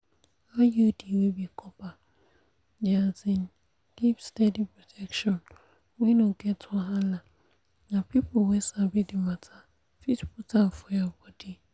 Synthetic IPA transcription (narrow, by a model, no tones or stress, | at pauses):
ajudiwebikʰɔpa | dɪazɪ̃n | d̥ipstedipʰɹɔtʰɛkʃɔ̃n | wĩnõɡɛtʰʊaɦãlã | nãpʰipʰʊwɛsabidɪmãtʰa | fitpʰutʰafʊabɔdi